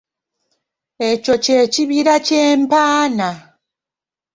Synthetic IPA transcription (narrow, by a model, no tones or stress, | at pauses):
e̞co̞ceːciβiɾaceːmpaːna